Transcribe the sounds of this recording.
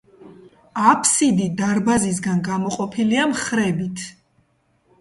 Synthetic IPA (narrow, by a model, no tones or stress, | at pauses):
apʰsid̪id̪aɾbazis̬ɡanɡamɔqʼɔpʰiliamχɾɛbit̪ʰ